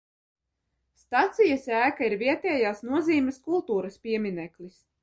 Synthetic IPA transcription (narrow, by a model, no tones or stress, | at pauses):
st̪at̪sijɐsæːkaiɾviɛt̪ɛːjaːsnuɔziːmʲɛskulˠt̪uːɾɐspʲiɛmʲinɛklis